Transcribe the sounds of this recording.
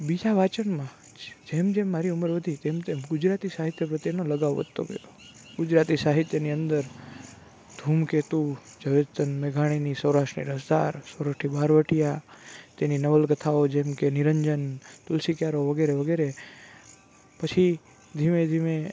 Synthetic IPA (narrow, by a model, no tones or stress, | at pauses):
bid͡ʒaʋat͡ʃəɳmã | d͡ʒemd͡ʒemːaɾiʊməɾʋəd̪ʱit̪emt̪emɡʊd͡ʒɾat̪isaɦit̪jəpɾət̪ːenoləɡaʋʋə̰d̪t̪ːo̰ɡə̰jo | ɡʊd͡ʒɾat̪isaɦit̪jəniənd̪əɾ | d̪ʱumket̪u | d͡ʒəʋed͡ʒt̪ənmeɡʱaɽ̃inisəwɾaʃʈnḭɾəsd̪a̰ɾsəwɾaʂʈʰibaɾʋəʈijat̪eninəʋəlɡət̪ʰaod͡ʒemkenɪɾəɲd͡ʒənt̪ʊlsikjaɾoʋəɡeɾeʋəɡeɾe | pət͡ʃʰi | d̪ʱimẽd̪ʱime